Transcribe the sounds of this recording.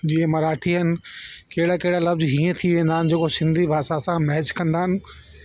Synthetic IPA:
d͡ʑiẽmɐɾaːʈʰiɦɐnɪ̆keɦɪɽakeɦɪɽalɐbzɦiːə̃t̪ʰiʋẽːnd̪aɦɪnɪ̆d͡ʑeːkosɪ̃nd̪ʱibʱaːsasãmɐɦɛt͡ɕkɐ̃nd̪aːɦɪnɪ̆

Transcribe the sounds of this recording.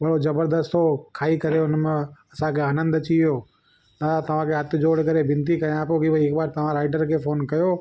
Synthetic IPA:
ɓɐɽozɐbəɾd̪əst̪okʰaːikɐɾeʊnmẽɐsãkʰeaːnə̃nd̪ɐt͡ɕiioː | ɗaːd̪at̪ɐʋ̤ãkʰeːɦɐt̪ʰɪ̆d͡ʑoːɽkɐɾebɪ̃nt̪ikɐjãːpokibɐɪkbaːɾt̪ɐʋ̤ãɾaːɪɖəɾkʰeːfoːnkɐjoː

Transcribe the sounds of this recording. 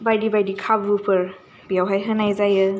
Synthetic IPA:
bajdibajdikʰabupʰɯɾ | bijawɦajɦənajzajɯ

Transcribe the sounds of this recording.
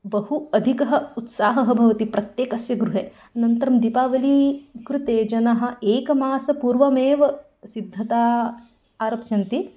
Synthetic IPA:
bɐhuɐd̪ʱikɐɦɐ̆ut̪saːɦɐɦɐbʱɐʋɐt̪ipɾɐt̪jeːkɐsjɐɡɾuɦeː | ɐnɐnt̪ɐɾɐmd̪ipaːʋɐlikɾut̪eːd͡ʒɐnɐɦɐ̆eːkɐmaːsɐpuːɾʋɐmeːʋɐ | sid̪ʱːɐt̪aː | aːɾɐpsjɐnt̪i

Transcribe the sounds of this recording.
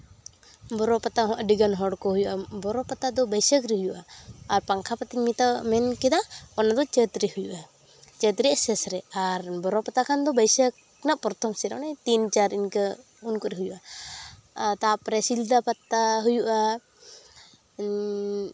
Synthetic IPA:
bɔɾɔpat̪aɦɔ̃ʔaɖiɡanɦɔɽkɔɦujuʔabɔɾɔpat̪ad̪ɔbəjsəkɾiɦujuʔaːɾpaŋkʰapat̪iɲmit̪amɛnkɛd̪aɔnad̪ɔt͡ʃət̪ɾihujuʔa | t͡ʃət̪ɾiʔɛsɛsɾɛaɾbɔɾɔpat̪akʰand̪ɔbəjsək̚ | naʔpɔɾt̪ʰɔmsɛɾa̰najt̪int͡ʃaɾinkə | unkɔɾɛɦujuʔa | t̪apɾɛsild̪apat̪ːaɦujuʔa

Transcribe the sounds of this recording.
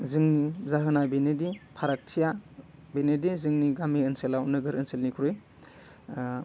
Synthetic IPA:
zɯŋnizaɦɯnabinedipʰaɾak̚tʰijabenedizɯŋniɡamiənselaunɯɡɯɾɐnselnikʰuɾɯj

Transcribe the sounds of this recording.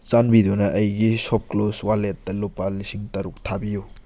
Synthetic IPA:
t͡ʃanbidunɐʔɐjɡisop̚kloswalet̚dɐlupːalisiŋtɐɾuk̚tʰabiju

